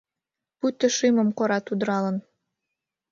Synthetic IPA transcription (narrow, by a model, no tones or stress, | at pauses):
put̪ːə̆ʃimə̆mkoɾɑt̪ud̪əɾɑlə̆n